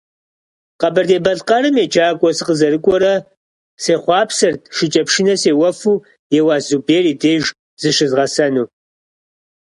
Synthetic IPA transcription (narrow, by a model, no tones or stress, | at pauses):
qɐbɐrdeːbɐɮqɐɾɨmjeːd͡ʒʼaːkʷʼɔsɨqəzɐɾɨkʷʼɔɾɐ | seːχʷɑːpsɐrt̚ʰʃɪt͡ʃʼɐpʂɪnɐseːwɐfuː | jɛwaːzuːbeːriːdeːjʒ | z̥ɨʃɪzʁɐsɐnuː